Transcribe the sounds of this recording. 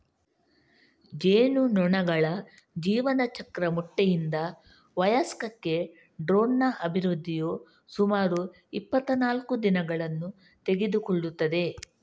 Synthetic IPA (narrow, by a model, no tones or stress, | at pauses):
d͡ʒeːnunɔɳɐɡɐɭɐ | d͡ʒiːʋɐnɐt͡ʃɐkɾɐmuʈːejind̪ɐ | ʋɐjɐskɐkːe̞ | ɖɾoːnːɐʔɐbʱiɾud̪ʱːijoː | sumaːɾu | ipːɐt̪ːɐnaːlkud̪inɐɡɐɭɐnːu | t̪e̞ɡed̪ukɔɭːut̪ːɐd̪e̞